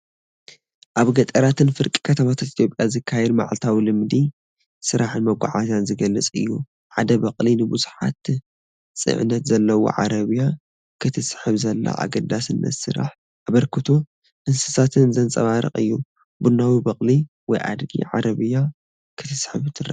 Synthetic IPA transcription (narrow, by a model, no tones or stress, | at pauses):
ʔaβɡɐt̪ʼɐɾat̪ʰɨnfɨɾkʼi̥kʰɐt̪ʰɐmat̪ʰat̪ʔit̪jo̞pʼjazɨkʰːajɛd̪ma̰ʕlt̪ʰawilɨmd̪i | sɨɾʔaħɨnmɐɡʷa̰ʕazanzɨɡɐlːɐt͡sʼɨ̰jːu | ħad̪ɐbɐqʼlinɨbuzuħa̰t̪ | sʼɨ̰ʕɨ̰nɐt̪zɐlːɐwo̰ʕaɾɐβja | kʰɨt̪ʰɨsħɨβzɐlːa̰ʔa̰ɡɐd̪asɨnːɐ̰sɨ̰ɾa̰ħ | aβɐɾkʰɨt̪ʰo | ʔɨnsɨ̥sat̪ʰɨnzɐnt͡sʼɐβaɾɨ̰χʼɨ̰jːu | bunawibɐχʼli | wɔjʔa̰d̪ɡḭʕaɾʔɐβɨja | kʰɨt̪ʰɨsħɨβɨt̪ʰɨra̰